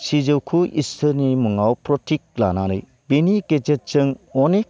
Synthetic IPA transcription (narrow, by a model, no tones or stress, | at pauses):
sid͡ʒɯwkʰuʔḭstʰɯnimuŋawpɾɔtʰik̚la̰naɾɯ̰j | beniked͡ʒet̚t͡ʃɯŋɔnek̚